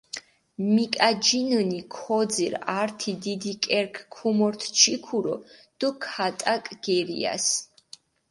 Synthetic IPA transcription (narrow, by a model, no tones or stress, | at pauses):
mikʼad͡ʒinənikʰɔd̪ziɾaɾt̪ʰid̪id̪ikʼɛɾkʰkʰumɔɾt̪ʰt͡ʃʰikʰuɾɔ̰d̪̥ɔkʰat̪ʼakʼɡ̥ɛɾḭa̰s